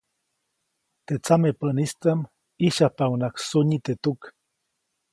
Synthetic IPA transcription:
t̪et͡samepənist͡s̪am | iʃapawnaksuɲit̪et̪uk

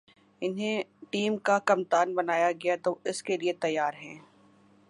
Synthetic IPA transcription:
ɪnɦẽʈiːmkakɐmt̪aːnbɐnaːjaɡɐjat̪oɪskeliet̪ɐjːaːɾɦɛ̃ː

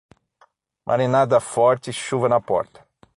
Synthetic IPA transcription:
mʔa̰ɾenad̪ɐfɔɾt͡ʃɪʃuvɐnɐpɔ̰ɾt̪ɐ̥

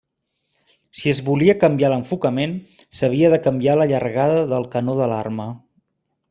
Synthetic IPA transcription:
siəzβuliəkəmbialəɱfukəmensəβ̞iəðəkəmbialəʎərɣaðəðəlˠkənoðəla̰rmə

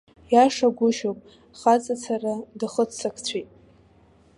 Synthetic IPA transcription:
jaʂaɡʷʊʃopʼ | χat͡sʼat͡sʰaradɨχət͡st͡sʰakʰt͡sʷʰijtʼ

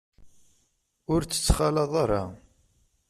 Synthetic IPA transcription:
ʊɾt͡sːə̥t͡sːχalɑðˤaɾˤɑ̰

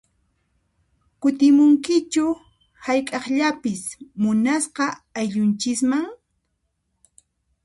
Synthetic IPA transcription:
kʊt̪ɪmʊŋkɪt͡ʃʊ | hajkʼɑχʎapɪsmʊnasqɑajʎʊnt͡ʃɪkmaŋ

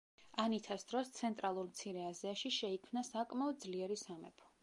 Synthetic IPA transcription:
anit̪ʰasd̪̥ɾɔst̪sʰɛnt̪ʼɾalˠuɾmt̪sʰiɾɛaziaʃiʃɛikʰmnasakʼmaɔd̪̚zliɛɾisamɛ̰pʰɔ̥

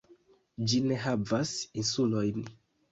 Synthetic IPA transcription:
d͡ʒineɦavasinsulojni

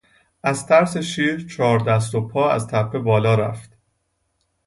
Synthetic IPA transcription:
ʔæzt̪ʰæɾse̞ʃiːɾt͡ʃʰɒːɾd̪æs̬t̪opʰɒːæ̰zt̪ʰæpʰːe̞bɒːlɒːɾæ̰ft̪

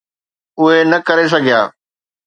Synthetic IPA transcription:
ʊɦenɐkɐɾes̬ɐɡʱija̰ː

